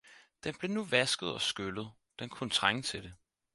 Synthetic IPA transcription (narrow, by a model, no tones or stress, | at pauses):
d̥enb̥le̝nuʋæsɡ̥ð̩ˠɒ̽sɡ̥ølð̞̩ˠ | d̥enkʰunət͡sʰʁaŋət͡sʰe̝d̥e